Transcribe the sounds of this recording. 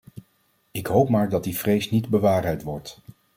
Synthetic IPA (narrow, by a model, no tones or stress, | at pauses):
ɪkɦowpmaːɹdɑt̚divrejsnidbəʋaːrɛjtʋɔɹt